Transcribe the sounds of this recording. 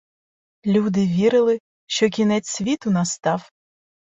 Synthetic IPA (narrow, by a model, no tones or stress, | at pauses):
lʲud̪ɪʋʲiɾɪlˠɪ | ʃt͡ʃɔk̬ʲinɛt͡sʲsʲʋʲit̪ʊnɐst̪ɑw